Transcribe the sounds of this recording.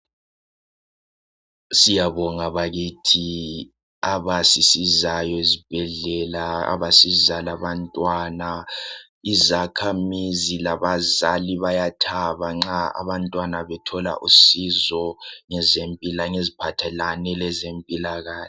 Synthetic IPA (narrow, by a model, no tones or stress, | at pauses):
sijaβɔŋaβaɣitʰi | aβasisizajɔezib̥ʱɛɮɛlaa̰βasizalaβantʼwana | izakʰamizilaβazaliβajatʰaβaŋ͡ǁaa̰βantʼwanaβɛtʰɔla̰ʔusizɔŋɛzempʼilaŋezipʰatʰɛlanɛlɛzempʼilaɣaːɬɛ